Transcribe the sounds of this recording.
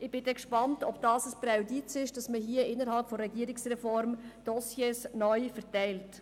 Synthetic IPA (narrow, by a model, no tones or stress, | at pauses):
ɪb̥ɪdɛkʃpɑntɔbd̥ɑːsəspɾawditsɪʃd̥ɑsməɦiːəɪnəɾhɑlpfɔɾɛɡiːəɾɪksrɛfɔɾmd̥ɔsjesnœʏfəɾtɛɪlt